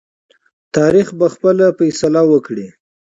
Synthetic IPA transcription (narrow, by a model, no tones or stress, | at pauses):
t̪ɑɾixbaxpəlafajsalawəkɽi